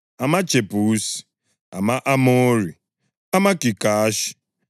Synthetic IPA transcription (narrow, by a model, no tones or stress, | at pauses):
amat͡ʃepusi̥ | amaʔamoɾi | amakikaaʃi̥